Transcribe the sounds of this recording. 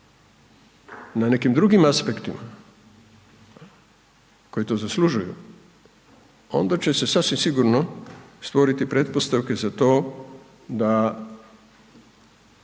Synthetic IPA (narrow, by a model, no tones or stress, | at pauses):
nane̞kimd̪ɾuɡimaspekt̪ima | ko̞jit̪o̞ːzaslˠuʒujṵ | o̞̰nd̪at͡ɕe̞se̞sasʋimsiɡuɾno̞st̪ʋo̞ɾit̪ipɾe̞t̪po̞st̪aʋke̞zat̪o̞ː | d̪a